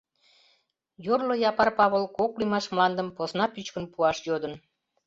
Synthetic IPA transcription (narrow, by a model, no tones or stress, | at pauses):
jorlojɑpɑrpɑβolkoklymɑʃmlɑnd̪əmposnɑpyt͡ɕkənpuɑʃjod̪ən